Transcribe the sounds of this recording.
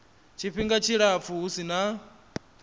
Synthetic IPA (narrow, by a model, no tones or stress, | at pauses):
t͡ʃʰiɸiŋɡat͡ʃʰiɺap̪fuɦusina